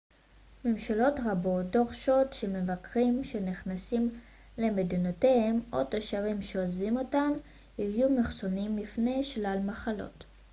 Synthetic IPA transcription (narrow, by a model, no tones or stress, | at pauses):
memʃalo̞tʁabo̞t̚do̞ʁʃo̞tʃe̞me̞vakʁimʃe̞niχnasim | le̞medinotehemo̞̰taʃavimʃeozvimo̞tam | hijumeχso̞nimːifne̞jʃlalmaχalo̞̰t